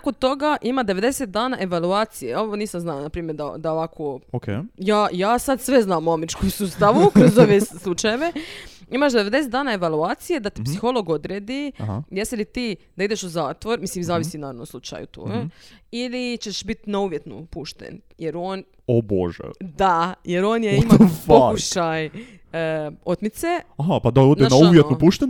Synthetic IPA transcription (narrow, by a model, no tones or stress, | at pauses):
akot̪o̞ɡaʔimad̪e̞ʋe̞d̪e̞set̪̚d̪aːnaʔe̞ʋaluaːt̪sijeo̞ʋoniːsaznalnapɾiːmjeɾd̪a̰d̪aoʋakʰookejaːjaːsad̪sʋe̞znaːmuamɾit͡ʃkojsuːst̪aʋukɾozoʋeslˠut͡ʃajeʋe̞imaʃd̪eʋe̞d̪e̞set̪d̪aːnaeʋalˠuaːt̪sije̞d̪at̪i̥psixo̞lˠo̞ɡod̪ɾeːd̪ihjeselit̪iːd̪aid̪eʃuzaːt̪ʋo̞ɾmislimzaːʋisinaːɾanonmslˠut͡ʃa̰jṵt̪o̰ɡeilit͡ʃeʃbit̪nauʋje̞t̪nṵpuʃt̪ḛn | jeɾoːn | obo̰ʒɛ̰d̪ajeɾo̞ːnjaimafkuʃaj | o̞t̪mit̪seaɦapad̪aodneanauvjetnupuʃt̪en